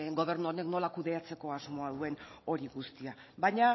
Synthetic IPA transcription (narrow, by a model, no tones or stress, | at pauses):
ɡo̞β̞e̞ɾnuone̞kno̞lakuðe̞at͡se̞ko̞azmo̞aðue̞no̞ɾiɣust̪ia | βajɲa